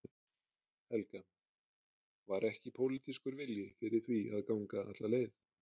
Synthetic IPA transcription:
hɛlkan | vaɾʔɛhcɪpʰowlɪt̪iskʏɾvɪljɪfɪɾɪɾ̥θviaðkawŋkaʔa̰t̪laleːjθ

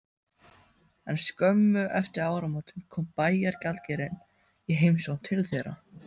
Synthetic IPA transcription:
ɛnskœmːʏʔɛft̪ɪɾaːwɾamoːwt̪ɪnkʰɔːmpaːjaɾcalcɛɾɪn | iɦejmsownt̪ʰɪlθɛːɾa̰

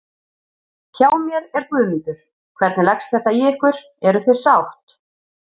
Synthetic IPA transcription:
cʰaːwmjɛɾɛɾk̪ʏːmɪnt̪ʏɾ̥ | kʰvɛɾt̪nɪlɛkst̪θɛht̪ajiɪhkvʏɾ̥ | ɛɾʏθejsawht̪

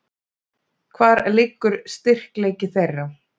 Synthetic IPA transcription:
kʰvaːɾlɪːkːʏɾ̥st̪ɪr̥kleːjcɪθejrːaw

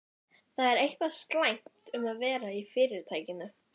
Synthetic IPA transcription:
θaðɛɾejhkvast̪lajŋ̥t̪ʏmaðvɛːɾaifɪːɾɪɾ̥t̪ʰaːjcɪnʏ

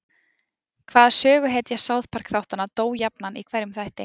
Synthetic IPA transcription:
kʰvaːðasœːɣʏɦeːt̪jɛɣsawðpʰar̥kθawht̪anːat̪oːwjapnanʔikʰvɛɾjʏmθajht̪ɪ̰

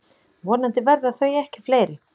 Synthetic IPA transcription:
vɔːnant̪ɪvɛɾðaθœɥɛhcɪ̥fleːjɾɪ

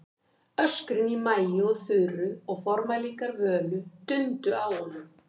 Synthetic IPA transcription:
œskɾɪnimaːjɪɔɣθʏðɾʏɔɣfɔɾmalikaɾvœːlʏt̪ʏnt̪ʏawhɔnːʏm

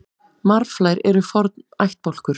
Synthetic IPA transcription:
maɾflajɾɛɾʏfɔɾt̪najht̪̚pɔl̥kʏɾ̥

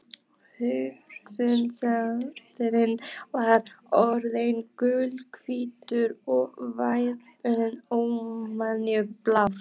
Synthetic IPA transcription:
hʏksʏnsaɾt̪ɪɾɪnvaɾɔɾðejnkʏlkʰviːt̪ʏɾɔɣvajɾt̪ɪɾɪnowmanjʏplaf

